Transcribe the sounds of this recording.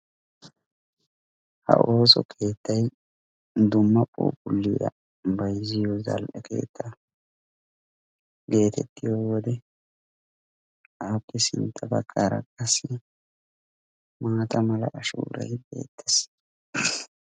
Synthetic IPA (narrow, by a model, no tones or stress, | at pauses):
hɐ̰ʔo̞ːsɔ̰kʰe̞ːt̪ːɐj | d̪ʊmːɐpʼo̰ːbʼʊlːɪjɐ̰ | bɐjzɪjɔzɐ̰lʔɛke̞̰ːt̪ʰːɐ | ɡe̞ːt̪ʰɛt̪ʰːɪjɔwɔd̪ɛ | ʔaːpːɛsɪnt̪ʰːɐbɐkʰʼːaːɾɐ̰kːɐsɪ | maːt̪ɐmɐlɐʔɐʃṵːɾɐ̰jbe̞̰ːt̪ʰːɛs